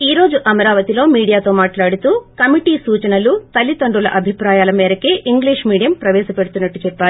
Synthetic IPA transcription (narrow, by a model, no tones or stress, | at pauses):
iːɾo̞ːd͡ʒuʔɐmɐɾaːʋɐt̪ilo̞ːmiːɽijaːt̪o̞ːmaːʈlaːɽut̪uːkɐmiʈiːsuːt͡ʃɐnɐlut̪ɐlit̪ɐɳɖulɐʔɐbʱipɾaːjaːlɐmɛːɾɐkeːʔiŋɡliːʂmiːɽijɐmpɾɐʋɛːʃɐpeɽut̪unːɐʈːut͡ʃɛpːaːlii